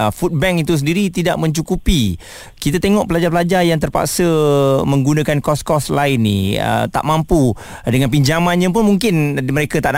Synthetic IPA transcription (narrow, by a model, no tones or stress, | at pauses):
fut̪̚bɛŋit̪us̬əndiɾit̪idaʔmə̃ɲt͡ʃukupi | kit̪at̪eŋɔʔpəlad͡ʒap̬əlad͡ʒajaŋt̪ərpa̰ksəmə̃ŋɡunãkankɔskɔslaɪnːḭə̰t̪a̰ʔmampu | dəŋanp̬iɲd͡ʒamãnɲãp̬ʊnmuŋkɪnməɾekat̪aʔn